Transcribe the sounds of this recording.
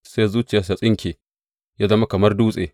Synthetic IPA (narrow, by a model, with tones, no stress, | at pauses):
se˦zuː˦t͡ʃɪ˨jaː˨s̬a˨sʼɪ˦ŋkʲeː˨ | jaː˦zɐ˦ma˦kɐ˨mɐ˦rduː˦sʼḛː˨